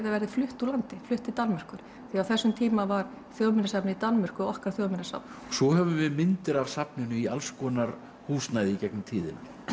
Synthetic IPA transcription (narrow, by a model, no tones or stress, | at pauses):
ðavɛɾðɪflʏht̪ulant̪ɪflʏht̪it̪anmɪr̥kʏɾ̥ | θiawθɛsːʏmt̪ʰiːmavaɾ | θjoːwmɪnːasapnɪit̪anmɪr̥kʏɔɔhkaɾ̥θjoːwmɪnasa̰pn | sɔhɛvʏvɪmɪnt̪ɪɾavsapnɪnʏialskɔːnaɾ | huːsnajðɪicɛknʏmt̪ʰiːðɪ̰na